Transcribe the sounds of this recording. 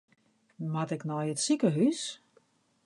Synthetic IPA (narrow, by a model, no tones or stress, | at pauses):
matɪknɔjətsikəɦys